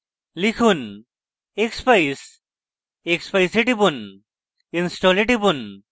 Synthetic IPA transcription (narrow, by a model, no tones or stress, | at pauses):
likʰun | ekspɐjs | ekspɐjseʈibun | insʈoːleʈibun